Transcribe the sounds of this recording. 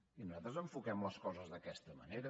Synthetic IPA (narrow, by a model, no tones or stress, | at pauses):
inuzat̪ɾəzəɱfukɛmləskɔzəzðəkɛst̪əmə̰neɾə